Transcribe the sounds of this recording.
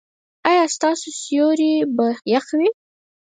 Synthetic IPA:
ɑjɑst̪ɑsosjoɾibajaxwi

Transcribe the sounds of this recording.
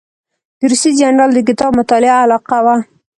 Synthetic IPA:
d̪̥əɾusid͡ʒanɾɑld̪ək̬ɪt̪ɑbmʊt̪ɑlɪaːlɑqawa

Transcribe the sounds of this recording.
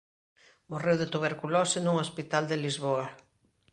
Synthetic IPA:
morewðet̪uβ̞eɾkulosɪnuŋospit̪ald̪elizβoa

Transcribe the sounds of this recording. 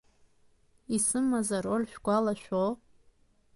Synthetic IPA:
isɨmːazaɾolʲʃᶣɡʷalaʃᶣʷo

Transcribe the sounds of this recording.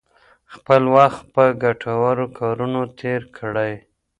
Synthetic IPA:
xpəlwaxt̪̚pəɡaʈʰawaɾokʰɑɾunot̪ʰeɾkʰɽaj

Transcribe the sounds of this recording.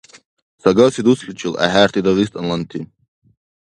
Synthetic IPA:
saɡasid̪usɬut͡ʃʰɨla̰hæːrt̪ʰid̪aʁist̪ʰʼanlant̪ʰi

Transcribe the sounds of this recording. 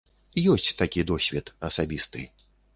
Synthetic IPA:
jɔsʲt͡sʲt̪akʲid̪ɔsʲvʲɛt̪ɐsabʲist̪ɨ̰

